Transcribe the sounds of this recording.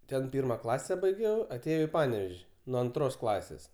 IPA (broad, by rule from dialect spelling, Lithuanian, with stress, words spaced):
ˈtʲɛn ˈpʲɪrmɐ ˈklˠɑːsʲɛ bɐɪˈɡʲɛʊ ɐˈtʲeːjɛʊ ɪ ˈpɑːnʲɛʋʲɛʃʲ nuɔ ɐnˈtroːs ˈklˠɑːsʲeːs